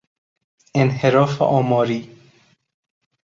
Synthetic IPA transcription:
enheɾɔːfʔɔːmɔːɾiː

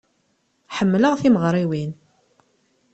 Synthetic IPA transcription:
ħəmːləʁθiməʁɾˤiwin

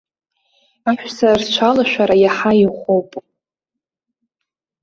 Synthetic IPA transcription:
aʃᶣsart͡ʃʷʰalaʃʷᶣaɾajaħaiχʷowpʼ

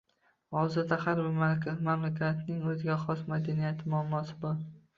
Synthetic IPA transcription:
hɒzɪɾd̪ahaɾbɪɾmalkʰʲamamlakʲʰat̪nɪŋɵzɪɡʲaχɒsmad̪anijat̪ʰɪmʊamːɒsɪbɒɾ

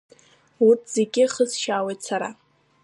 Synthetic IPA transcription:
utʰz̥e̞ɡʲɪχəzʃaːwejtʰsaɾa

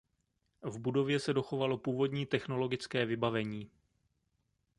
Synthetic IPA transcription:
vbudo̞vjɛsɛdo̞xo̞valo̞puːvo̞dɲiːt̪ɛxno̞lo̞ɡɪt͡skɛːvɪbavɛɲiː

